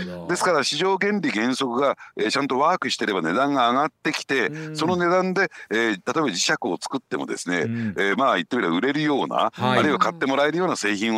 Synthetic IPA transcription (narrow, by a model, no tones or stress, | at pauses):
d̪e̞sɨ̥kaɾaɕiʑo̞ːɡẽ̞nɾʲiɡẽ̞ɰ̃so̞kɯ̟ɡaet͡ɕãnt̪o̞βaːkɯ̟ɕi̥t̪e̞ɾe̞bane̞d̪ãŋɡaːɡat̪ːe̞kʲi̥t̪e̞so̞no̞ne̞d̪ãnd̪e̞t̪at̪o̞ebad͡ʑiɕakɯ̟o̞t͡sɨ̥kɯ̟t̪ːe̞mo̞̰d̪e̞̰sɨne̞̰maːit̪ːemiɾaɯ̟ɾe̞ɾɯjo̞ːna̰aɾɯ̟iβakat̪ːe̞mo̞ɾae̞ɾɯjo̞ːnase̞ːçĩɰ̃